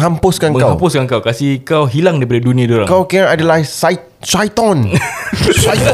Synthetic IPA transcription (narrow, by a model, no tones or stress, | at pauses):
ɦampʊskanməkaɦampʊskankawkasikawɦilaŋdaipadadunĩadoɾa̰ŋkawkɛ̃nadalasaj | sajt̪ɔ̃n | sajt̪